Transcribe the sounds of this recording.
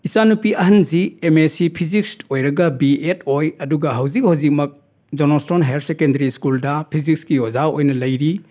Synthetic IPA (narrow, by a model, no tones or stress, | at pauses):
isanupiɐɦɐnziemesipʰiziksojɾɐɡɐbietʰojɐduɡɐɦɐwzik̚hɐwzik̚mɐk̚ | d͡ʒonostonɦelsekendɐɾiskuldɐpʰizik̚skiozaojnɐlɐjɾi